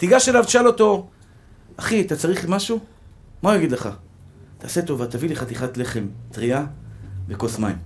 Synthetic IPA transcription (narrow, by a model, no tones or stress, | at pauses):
t̪iɡaʃelavʃalo̞to̞ | aχiat̪at͡saʁiχlimaʃu | maujaɡid̪leχa | t̪ʰaːse̞t̪o̞vat̪avileχat̪iχat̪le̞χe̞mt̪ʁiavekosmajm